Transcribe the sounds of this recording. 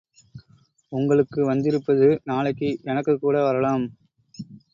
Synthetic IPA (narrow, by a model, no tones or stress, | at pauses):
ʊŋɡɐɭɯkːɯʋɐnd̪ɪɾɯpːɐðɯnaːɭɐɪkːɯʔɛnɐkːɯkːuːɽɐʋɐɾɐlaːm